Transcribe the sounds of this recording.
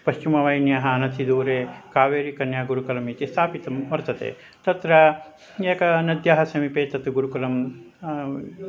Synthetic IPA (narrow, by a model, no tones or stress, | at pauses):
pɐʃt͡ʃimɐʋɐjnjaːɦɐɐnɐt̪ʰid̪uːɾeːkaːʋeːɾikɐnjaːɡuɾukɐlɐmit̪ist̪ʰaːpit̪ɐmʋɐɾt̪ɐt̪ḛː | t̪ɐt̪ɾɐ | eːkɐnɐd̪jaːɦɐsɐmipeːt̪ɐt̪ɡuɾukɐlɐm